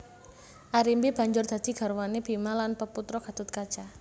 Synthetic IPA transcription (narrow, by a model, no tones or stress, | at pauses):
ʔaɾimbib̥a̤ɲd͡ʒʊrd̪̥a̤d̪̥i̤ɡ̥a̤ɾwaneb̥i̤malanpəput̪ɾɔɡ̥a̤d̪ʊt̪̚kad̥ʒ̥a